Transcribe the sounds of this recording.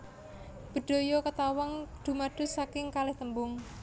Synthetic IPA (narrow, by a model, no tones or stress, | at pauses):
b̥ə̤ɖ̪̥o̤jɔkət̪awaŋd̪̥ṳmaɖ̪̥ʊ̤sakɪŋkalɪht̪əmbʊŋ